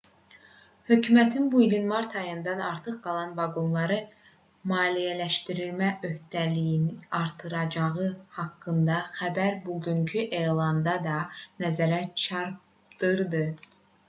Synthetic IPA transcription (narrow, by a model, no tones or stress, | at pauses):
hø̞cʰymæt̪ʰinbuilinmɑɾt̪ʰɑjɯnd̪ɑnɑɾt̪ʰɯχɡɑlˠɑnvɑɡo̞nlˠɑɾɯ | mɑːlijælæʃt̪iɾilmæʔø̞ht̪ælijiniɑɾt̪ʰɯɾɑd͡ʒɑʁɯhɑkːɯnd̪ɑxæbæɾbuɟyɲcʰyʔe̞jlˠɑnd̪ɑd̪ɑnæzæɾæt͡ʃʰɑɾp | d̪̥ɯɾd̪ɯ